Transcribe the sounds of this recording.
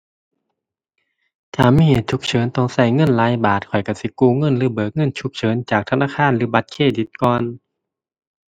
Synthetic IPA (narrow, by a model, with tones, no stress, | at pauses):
t͡ɕʰaː˧˩miː˧˥˨heː˨˩t̪̚t͡ɕʰu˧˥k̚t͡ɕʰɤː˨˦nt̪ɔ˧˩ŋsa˧˩jŋɤ˧˥˨nlaː˨˧˥jbaː˨˩t̪̚kʰɔ˨˩jka˧˩si˧˦kuː˧˩˨ŋɤ˧˥˨nlɯː˧˦bɤː˨˩k̚ŋɤ˧˥˨nt͡ɕʰu˧˥k̚t͡ɕʰɤː˨˦nt͡ɕaː˨˩k̚t̪ʰa˧naː˧˥˨kʰaː˧˥˨nlɯː˨˦˥ba˧t̪̚kʰeː˧˩di˨˦t̪̚kɔː˧n